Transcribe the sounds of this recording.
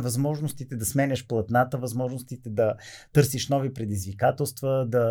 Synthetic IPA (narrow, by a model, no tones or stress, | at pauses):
vɐzmɔʒnost̪it̪ɛd̪ɐsmɛnʲɛʃplˠɐt̪nat̪əvɐzmɔʒnost̪it̪ɛd̪ɐt̪ɤɾsiʃnɔvipɾɛd̪izvikat̪ɛlˠst̪vəd̪ɐ